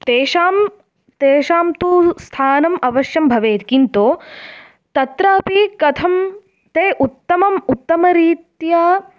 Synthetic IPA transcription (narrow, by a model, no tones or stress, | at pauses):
t̪eːʃaːm | t̪eːʃaːmt̪ust̪ʰaːnɐmɐʋɐʃjɐmbʱɐʋeːt̪kint̪oː | t̪ɐt̪ɾɐːɐpikɐt̪ʰɐm | t̪eːʔut̪ːɐmɐmut̪ːɐmɐɾiːt̪ja